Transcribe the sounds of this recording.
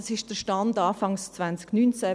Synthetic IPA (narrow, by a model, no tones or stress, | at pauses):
ɑsɪʃd̥əʃtɑndɑːfɑŋst͡svant͡sknynt͡sæ